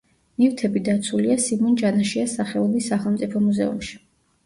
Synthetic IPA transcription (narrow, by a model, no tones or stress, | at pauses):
nift̪ʰɛbid̪at̪sʰuliasimɔnd͡ʒanaʃiasaχɛulisːaχɛlˠmt̪sʼipʰɔmuzɛ̰ṵmʃi̥